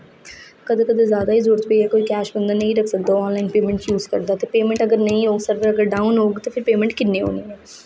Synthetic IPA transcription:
kəd̪ẽːkəd̪eːzjaːd̪aːiːzʊːɾət̪peːɛːkoːiːkɛːʃbənd̪aːnə̃ĩːɾəkʰsək̚d̪aːoɔ̃ːnlaːinpeːmɛ̃ɳʈjuːzkə̰ɾd̪aːt̪eːpeːmɛ̃ɳʈəɡəɾnəĩːɦoːɡsəɾbəɾəɡəɾɖaːũnɦoːɡt̪oːpʰɪɾpeːmə̃ɳʈkɪnːeːɦo̰ːniːɛː

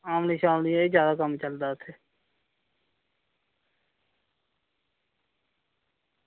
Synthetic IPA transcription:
aːmliːʃaːmliiːzjaːd̪aːkəmt͡ʃəld̪aːʊt̪ʰːeː

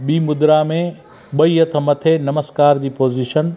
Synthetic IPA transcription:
ɓiːmʊd̪ɾamẽ | ɓɐiɐt̪ʰə̆mɐt̪ʰenɐməskaːɾd͡ʑiːpoːziʃən

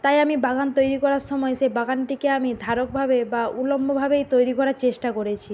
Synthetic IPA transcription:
t̪ajamibaɡant̪ojɾikɔɾaɾʃɔmɔeʃebaɡanʈikeamid̪ʱaɾok̚bʱabebaulombʱobʱabejt̪ojɾikɔɾaɾt͡ɕeʃʈakoɾet͡ɕʰi

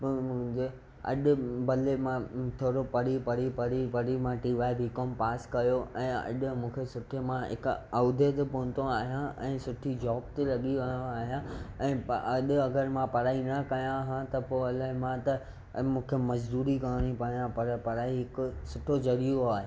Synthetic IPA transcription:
pmʊ̃ɦɪ̃ɲd͡ʑe | ɐ̰ɗʊ̆bɐlemãt̪ʰoːɽopɐɾipɐɾipɐɾipɐɾimãʈiːʋaːebɪkoːmpaːskɐjoʔɛ̃ːɐ̰ɗʊ̆mũːkʰesʊʈʰemãɦɪ̰kaːd̪ʱet̪epɔɦʊ̃nt̪õaːɦijãɛ̃ːsʊʈʰid͡ʑɔːbt̪elɐɠiʋɐ̃aːɦijãɛ̃ːɐɗɐɡəɾmãpɐɾaːinɐkɐjãɦãt̪ɐpoːɐlaɦɪmãt̪ɐ | mũːkʰemɐzd̪uːɾikɐɾɽ̃ipɐjãpɐɾpɐɾaːiɦɪkʊsʊʈʰod͡ʑɐɾijoaːɦe

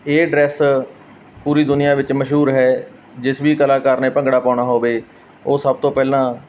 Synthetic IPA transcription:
eːɖɾɛːs | puːɾiːd̪ʊnɪjãːʋɪt͡ʃməʃɦuːɾɦɛː | d͡ʒɪsʋiːkəlaːkaːɾneːpə̃ŋɡɽaːpaːɽaːɦoːʋeː | oːsəb̚t̪õːpɛːlãː

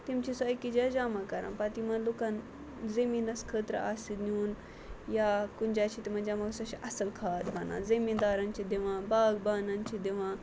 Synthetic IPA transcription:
t̪imt͡ʃʰisoɐkid͡ʒaːd͡ʒaːmakɐɾã̰npɐt̪imɐnloːkan | zɐminɐskʰəːt̪ɾ̰a̰ːsid̪niuːn | jaːkund͡ʒaːt͡ʃʰit̪imɐnd͡ʒaːmaksɐʃʰiʔɐsɐlkʰaːd̪bɐnã̰ːzimid̪aːɾɐnt͡ʃʰid̪eʋãːbaːɡbaːnɐnt͡ʃʰid̪eʋãː

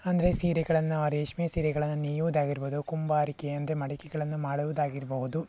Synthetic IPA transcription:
ɐnd̪ɐɾesiːɾɐɡɐɭɐnːuɐɾeːʂmijɐsiːɾɐɡɐɭɐnːuniːjuʋud̪aːɡiɾubɐd̪ukumbaːɾikeːɐnd̪ɾemɐɽɐkːiɡɐɭɐnːumaːɽuʋud̪aːɡiɾuboɣud̪u

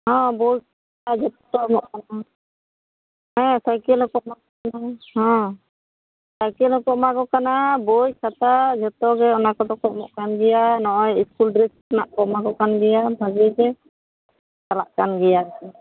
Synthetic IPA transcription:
ɦɔ̃bɔjkʰat̪ad͡ʒɔt̪ɔmɔʔkana | ɛsajkɛlɔkɔʔmakɔkanahɔ̃ | sajkɛlɔkɔʔmakɔkanabɔjkʰat̪ad͡ʒɔt̪ɔɡɛɔnakɔd̪ɔkɔʔmɔ̰ʔkanɡɛjanɔʔɔjiskulɖɾɛsnaʔkɔmaɡɔkanɡɛjabʱad͡ʒɛd͡ʒɛ | kalaʔkanɡɛjaɾi

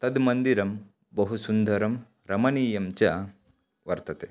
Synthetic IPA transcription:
t̪ɐd̪mɐnd̪iɾɐm | bəɦusund̪ʱɐɾɐm | ɾɐmɐniːjɐmt͡ɕja | ʋɐɾt̪ɐt̪e

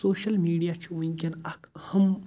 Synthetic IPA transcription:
soːʃɐlmiːɽijaːt͡ʃʰiwʊŋkʲɪnakhɐm

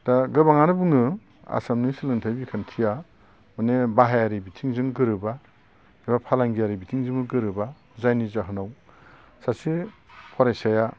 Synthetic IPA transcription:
d̥aɡɯbaŋanɯbɯŋɯ | a̰samnisilɯŋtʰajbikʰantʰija | manebaɦajaɾibitʰiŋzɯŋɡɯɾɯba | ebapʰalaŋɡijaɾibitʰiŋzɯmɯɡɯɾɯba | zajnizaɦɯnaw | sasipʰɔɾajsaja

